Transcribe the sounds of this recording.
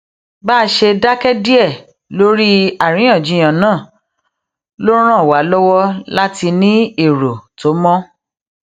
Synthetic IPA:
ba˦˧ʃe˧da˦kɛ˦di˦ɛ˦˨ | lo˦ɾi˦a˦˨ɾ̃ĩ˨˦ã˦˨d͡ʒĩ˨˦j̃ã˨nãː˦˨ | lo˦ɾ̃ã˦˨wa˨˦lɔ˦wɔ˦la˦ti˧nĩ˦e˦˨ɾo˨to˨˦mɔ̃˦

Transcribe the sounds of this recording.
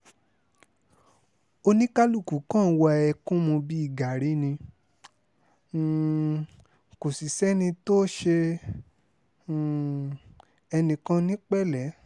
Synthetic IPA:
o˧nĩ˦ka˦lu˦˨ku˨˦kã˦˨˧wa˧ɛ˧kũ˦mũ˧bi˦i˦˨ɡa˨ɾi˨˦nĩ˧˨ | ko˨si˨sɛ˦nĩ˧to˦ʃe˧˨ | ɛ˧nĩ˨kã˦nĩ˦k͡pɛ˦lɛ˨˦

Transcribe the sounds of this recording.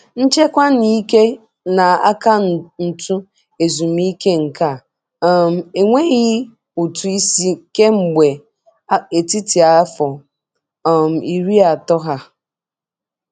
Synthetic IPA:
n̩˦t͡ʃe˦kʷa˦ni˦ke˦ | na˨a̰˦ka˦˨n̩˨tu˦ | e˨zu˨mi˦ke˦ŋ̩˨ka˦˨˦ | m̩˦e˨ŋʷe˦ɣɪ˦ | u˨tu˨i˦si˦ke˦ŋ͡m̩˨ɡ͡be˨˦ | e˨ti˦ti˨a˨a˦fɔ˨ | m̩˨i˨ɾi˦a˨tɔ˦ɦa˦

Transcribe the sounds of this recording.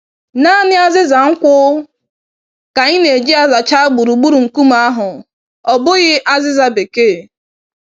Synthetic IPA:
na˦nɪ˦a˦zɪ˦za˨ŋ̩˦kʷʊ˦ | ka˨ɲɪ˦ne˨d͡ʒi˦a˦za˨t͡ʃa˦ɡ͡bu˨ɾu˨ɡ͡bu˦ɾu˨ŋ̩˨ku˦m˦a˦ɦʊ˨ | ɔ˨bʊ˦ɣɪ˦ʔa˦zɪ˦za˨be˨ke˦˨

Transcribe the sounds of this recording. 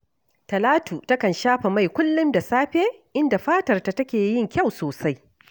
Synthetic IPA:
tɐ˨laː˦tu˨tɐ˦kɐ˨nʃaː˦ɸe˨ma˦˨jkʷʊ˦lːʊ˦nda˨saː˦ɸeː˦ʔɪ˦nda˨ɸaː˦tɐ˨rta˨tɐ˦kʲeː˨jɪ˦ŋkʲa˦˨wsoː˨sa˦j

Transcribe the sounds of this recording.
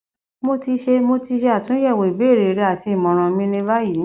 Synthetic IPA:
mo˧ti˧ʃe˧mo˧ti˧ʃe˧a˦˨tũ˨˦jɛ˦˨wo˨i˨be˦˨ɾe˨˧ɾe˧˦a˦˨ti˧i˦˨mɔ̃˨˧ɾ̃ã˧mĩ˧˦nĩ˧ba˦ji˨˦

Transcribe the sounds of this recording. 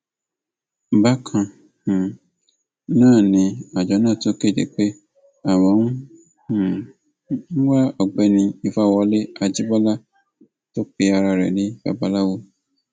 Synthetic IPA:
ba˦kʰã˧ | ũ˨ | nãː˦˨nĩ˧˦a˨d͡ʒɔ˨˦nãː˦˨tõ˦ke˦˨dḛ˨k͡pe˦ | a˦˨wɔ̃˨˦ŋũ˦˨˦ | wa˦ɔ˨ɡ͡bɛ˧nĩ˧i˧fa˦˨wɔ˧˦le˦a˧d͡ʒi˦bɔ˦la˦ | to˦k͡pi˧˦a˧ɾa˧ɾɛ̰˨le˨˦ba̰˦ba˦la˦wo˦

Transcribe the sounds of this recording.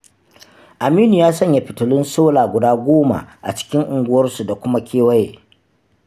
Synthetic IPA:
ʔa˨miː˦nu˨jaː˦sɐ˦ɲja˨ɸɪ˨tʊ˨lɪ˦nsoː˦laː˨ɡʷʊ˨daː˦ɡʷoː˦ma̰˨ʔa̰˨t͡ʃɪ̥˦kʲɪ˦ŋʔʊ˨ŋɡʷʊ˦wɐ˦rsu˨da˨kʷʊ˦ma˦kʲʰeː˦wɐ˦je˨

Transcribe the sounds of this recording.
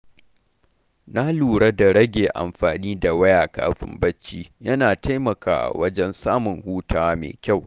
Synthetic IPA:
na˦luː˨ɽɐ˦da˨ɽɐ˦ɡʲeː˨ʔa̰˨mɸaː˨niː˦da˨wɐ˦jaː˨ka̰ː˦ɸɪ̰˦mbɐ˦t͡ʃːiː˦jɐ˦naː˨ta˦jmɐ˨ka̰ː˨ʔwɐ˦d͡ʒɛ˦nsaː˦mʊ˨ŋhuː˦taː˦wmḛː˨kʲa˦˨w

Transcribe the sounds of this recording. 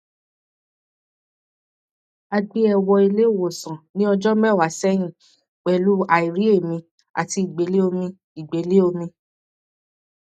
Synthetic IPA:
a˧ɡ͡bi˦ɛ˧wɔ˧i˧le˦˨wo˨sã˨nĩ˦ɔ˧d͡ʒɔ˦mɛ˦˨wa˨sɛ˦j̃ĩ˦˨ | k͡pɛ˨lu˨˦a˨i˨ɾi˦e˦˨mĩ˧ | a̰˨ti˧i˨ɡ͡be˨˦le˦o˧mĩ˧ | i˨ɡ͡be˨˦le˦o˧mĩ˧

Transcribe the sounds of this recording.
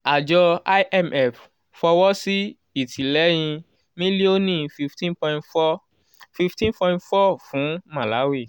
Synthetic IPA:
a˨d͡ʒɔ˧a˦ʔɛ˦˨mɛ˦˨f | fɔ˧wɔ˦si˦ | i˨tʰĩ˨lɛ˨˦j̃ĩ˧ | mĩ˦li˦o˦nĩ˦˨fi˧ftĩ˦npɔ̃˧˦tfɔ˦ | fi˧ftĩ˦npɔ̃˧ĩ˦ntfɔ˦˨fũ˨˦mã˨la˨˦we˦˨

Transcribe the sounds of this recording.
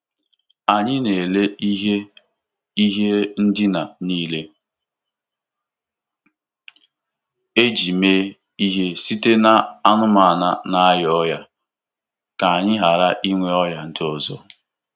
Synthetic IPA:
a˨ɲɪ˦ne˨le˦i˦ɦe˦ | i˦ɦe˦n̩˦dɪ˦na˨niː˦le˦ | e˦d͡ʒi˨meː˦ | i˦ɦe˦si˦te˦na˨a˦nʊ˦ma˨a˨na˦na˨a˦jɔ˦ja˦ | ka˨a˨ɲɪ˦ɦa˨ɾa˦ʔi˦ŋʷe˦ɔ˦ja˦˨n̩˦dɪ˦ɔ˨zɔ˦

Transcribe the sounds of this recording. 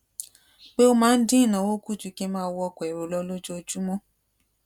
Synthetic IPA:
k͡pe˦o˦mãː˦n̩˦dĩ˦i˦˨nã˨˦wo˦ku˦˨tu˧˦ke˦mãː˦wɔ˧kɔ˨ɛ˨ɾo˨lɔ˧˦lo˦d͡ʒo˦o˧d͡ʒu˦mɔ̃˦

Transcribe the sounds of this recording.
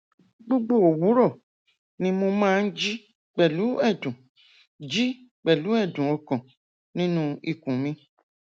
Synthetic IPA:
ɡ͡bo˦ɡ͡bo˦˨o˨wu˨˦ɾɔ˦˨ | nĩ˧˦mo˧mãː˦˧˦d͡ʒi˦ | k͡pɛ˨lu˨˦ɛ˦˨dũ˨ | d͡ʒi˦ | k͡pɛ˨lu˨˦ɛ˦˨dũ˨ɔ˧kɔ̃˨ | nĩ˦nũ˦i˨kũ˨mĩ˧

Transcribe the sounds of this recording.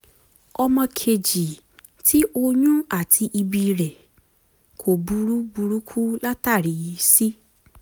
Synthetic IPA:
ɔ˧mɔ̃˧kʰe˨d͡ʒi˨ | ti˦ʔo˧ɲũ˦a˦˨tʰi˧ʔi˧bi˧ɾɛ˨ | kʰo˨bu˨˧ɾu˦bu˧ɾu˦kʰu˦la˦ta˦˨ɾi˨˦˧si˦

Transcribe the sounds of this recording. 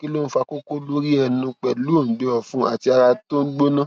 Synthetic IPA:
ki˦lo˦fa˧ko˦ko˦lo˦ɾi˦ɛ˧˨ũ˧˦k͡pɛ˨lu˦o˦˨˦de˨˦ɔ˨fũ˦a̰˦˨ti˧a˧ɾa˧to˦n̩˦ɡ͡bo˦nã˦

